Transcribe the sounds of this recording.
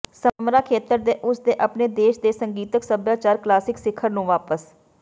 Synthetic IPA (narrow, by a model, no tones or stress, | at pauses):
səmɾaːkʰeːt̪əɾd̪eːʔʊsd̪eːʔəpneːd̪eːʃd̪eːsəŋɡiːt̪əksəbjaːt͡ʃaːɾklaːsɪksɪkʰːəɾnũːʋaːpəs